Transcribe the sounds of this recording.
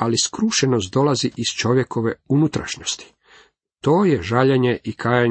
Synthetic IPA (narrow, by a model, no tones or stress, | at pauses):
aliskɾuːʃenost̪̚d̪o̞laziʔiz̥t͡ʃo̞ʋje̞kʰo̞ʋeunut̪ɾa̰ʃno̞st̪i̥ | t̪o̞ːje̞ʒaʎeɲeʔikaːja